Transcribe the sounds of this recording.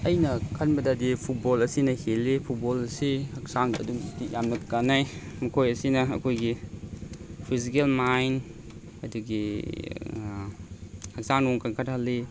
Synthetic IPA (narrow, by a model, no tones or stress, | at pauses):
ɐjnɐkʰɐnbɐdadipʰut̚bolɐsinɐhelːepʰut̚bolɐsihɐk̚saŋɐ̰duŋstijamnɐkkanːajmɐkʰojɐsinɐɐ̰kʰojɡi | pʰizikelmajn | ɐduɡi | hɐk̚saŋɾoŋkankʰathalːi